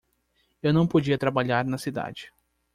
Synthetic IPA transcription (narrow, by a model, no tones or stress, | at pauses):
ewnɐ̃w̃pod͡ʒiɐt̪ɾabaʎaɾnɐsid̪a̰d͡ʒɪ